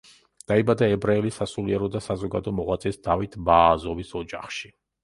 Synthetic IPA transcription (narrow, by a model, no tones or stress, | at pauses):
d̪̥aibad̪aɛbɾaɛlisasuliɛɾɔd̪asazɔɡad̪ɔmɔʁwat̪sʼɛsd̪̥avit̪ʰbaːzɔvisɔd͡ʒaχʃi